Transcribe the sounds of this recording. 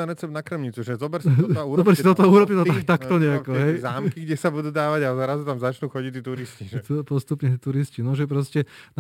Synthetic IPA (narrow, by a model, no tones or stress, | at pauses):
aɾɛt͡sɛbnakɾ̩mɲit͡suʒɛzɔbɛɾsuːɔbɛɾsit̪ɔt̪ɔuːɾɔpɲɛt̪ɔt̪akt̪akt̪ɔɲɛakɔɦɛjzaːmkiɡɟɛsabud̪uːd̪aːʋaɟazaɾazut̪amzat͡ʃnuːxɔɟic̚t̪iːt̪uɾisciʒɛt̪upɔst̪upɲɛt̪uɾiscinɔʒɛp̬ɾɔscɛn